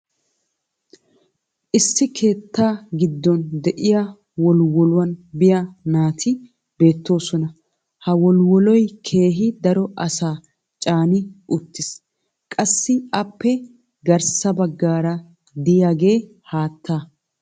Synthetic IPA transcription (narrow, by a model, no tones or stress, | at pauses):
ʔɪsːɪkʰe̞ːt̪ːaːɡɪd̪ːɔnd̪ɛʔɪjɐ | wɔlwɔlʊwɐnbɪjanaːt̪ʰɪ | be̞ːt̪ːo̞ːsɔnɐ | hɐwɔlwɔlɔjkʰe̞ːɦɪd̪ɐɾɔʔɐsaː | t͡ʃʼaːnɪʔʊt̪ːɪs | kʼɐsːɪɐpːɛ | ɡɐɾsɐbɐɡːaːɾɐ | d̪ɪjaːɡe̞ː | haːt̪ːaː